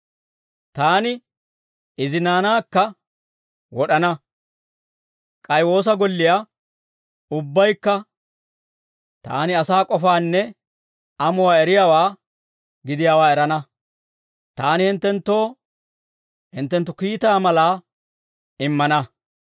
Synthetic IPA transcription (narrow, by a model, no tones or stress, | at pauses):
t̪aːnɪ | ɪzɪnaːnaːkːɐ | wɔɗɐnɐ | kʼɐjwo̞ːs̬ɐɡɔlːɪja | ʊbːɐjkːɐ | t̪a̰ːnɪɐsaːkʼɔfaːnːɛ | ɐmʊwaːɛɾɪjaːwaː | ɡɪd̪ɪjaːwaːɛɾɐnɐ | t̪aːnɪhɪnt̪ːɛnt̪ːo̞ː | hɪnt̪ːɛnt̪ːʊkiːt̪aːmɐlaː | ɪmːɐnɐ